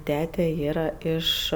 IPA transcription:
ˈtʲæːtʲɛ ˈiːrɐ ˈɪʃ

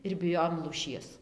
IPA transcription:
ɪr bʲɪˈjoːjoːm lˠuːˈʃʲiɛs

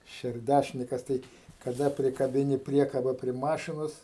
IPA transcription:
ʃʲɛrʲˈdʲæʃʲnʲɪkɐs ˈtɐɪ kɐˈdɐ pʲrʲɪkɐbʲɪˈnʲɪ ˈpʲrʲiɛkɐbɐ pʲrʲiɛ ˈmɑːʃʲɪnoːs

